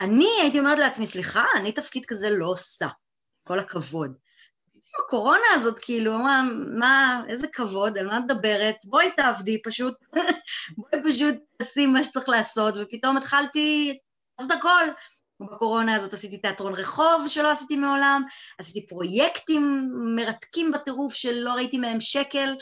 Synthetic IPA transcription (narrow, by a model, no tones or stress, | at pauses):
aniajit̬io̞meetleat͡smisliχaːnitɐfkid̪kaze̞lo̞sa | ko̞lakʰavo̞d | kiiluako̞ʁo̞naːzo̞tkʰiiluaamaezekavo̞d̪almat̪ed̪abe̞ʁet̪̚boait̪aavdipaʃut̚ | boipaʃut̚asimaʃe̥t͡sʁiχlaːso̞tvepito̞met̪χalti | laːso̞t̪hako̞l | bako̞ʁo̞naːzo̞tasit̬it̪eatʁo̞nʁe̞χo̞vʃe̞lo̞asit̪imeo̞lamasitipʁo̞jektimːe̞ʁatkimbate̞ʁufʃelːo̞ʁaitimeemʃeke̞l